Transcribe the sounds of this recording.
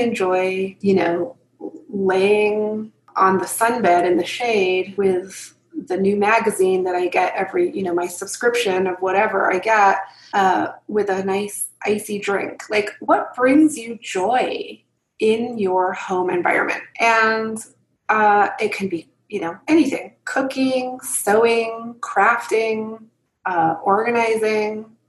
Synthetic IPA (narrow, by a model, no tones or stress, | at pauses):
ɨ̃nd͡ʒɔɪjɨnoʊ | leɪɪ̃ŋ | ʔə̃nðɨsʌ̃nbɛɾɨ̃nðɨʃeɪd̚wɪð | ðɨnʉmæɡɨzĩnðɨɾaɪɡɛɾɛvɹijɨnoʊmaɪsəb̥skɹɪpʃɨ̃nʌvwʌɾɛvə̰˞ʔa̰ɪɡɛt̚ | ʔʌwɪðɨnaɪs | ʔa̰ɪsidɹɪ̰̃ŋkʰlaɪkwʌt̚b̥ɹɪ̃ŋzjɨd͡ʒɔɪ | ɪ̃njə˞hõʊ̃mɨ̰̃ɱva̰ɪɹɨ̰̃nmɨ̰̃nt̚ɨ̃n | ʔʌɪt̚kʰɨ̃n̩bi | jɨnoʊɛñiθɪ̰̃ŋkʰʊkɪ̃ŋsoʊɪ̃ŋkʰɹ̥æftɪ̃ŋ | ʔʌɔɹɡɨnaɪzɪ̃ŋ